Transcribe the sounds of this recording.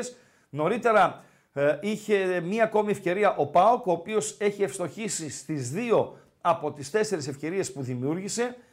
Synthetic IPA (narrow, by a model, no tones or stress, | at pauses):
s | no̞ɾit̪e̞ɾɐ | içe̞mɲɐːko̞miefce̞ɾiɐʔo̞pɐo̞ko̞ːpio̞se̞çiefst̪o̞çisist̪izðio̞ | ɐpo̞t̪ist̪e̞se̞ɾesefce̞ɾie̞spuðimiuɾʝise̞